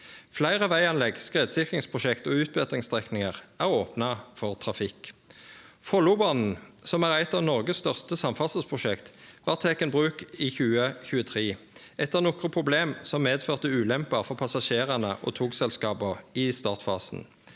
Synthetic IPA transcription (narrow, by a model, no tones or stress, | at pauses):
flæɪʁəʋæɪɑnlɛɡskʁeːd̪sɪkʁɪŋspʰʁʊʃɛkt̪oːʉːt̪̚bøːt̪ʁɪŋst̪ʁɛknɪŋəʁæːʁoːpnɑfɔʁt̪ʰʁɑfɪk | fɔlʊːbɑnn̩sɔmæːʁæɪt̪ɑːʋnɔʁɡəsst̪œʁst̪əsɑmfɑsəspʰʁʊʃɛkt̪ʋɑːʁt̪ʰeːkənbʁʉːkiːçʉːəçʉːət̪ʰʁiː | ɛt̪ːəʁnɔkʁəpʰʁʊbleːmsɔmmːeːd̪føːʁt̪əʉːlɛmpɑʁfɔʁpʰɑsɑʃeːʁənəʔo̰ːt̪ʰuːksɛlskɑːbəiːst̪ɑːʁt̪fɑːsn̩